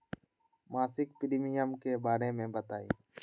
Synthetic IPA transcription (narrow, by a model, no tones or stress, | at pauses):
maːsɪk̚pɪɾimijəmkeːbaːɾeːmẽːbət̪aːḭː